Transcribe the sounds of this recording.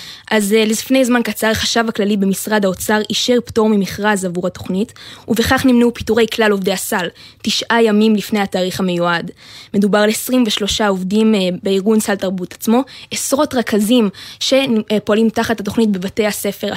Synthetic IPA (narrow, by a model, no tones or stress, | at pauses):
ʔazlizfne̞jzmankat͡saʁχaʃavaklalibemisʁadhao̞t͡saʁiʃeʁpto̞ʁmimiχʁazavuʁhato̞χnituveχaχnimnupituʁe̞jklalo̞vdeasaltiʃʔajamimlifne̞jhataːʁiχhame̞juadme̞dubaʁleesʁimveʃlo̞ʃaovdimbeiʁɡunsaltaʁbutat͡smo̞esʁo̞tʁakazimʃe̞poalimtaχathat̬o̞χnit̚be̞vate̞jhase̞fe̞ʁa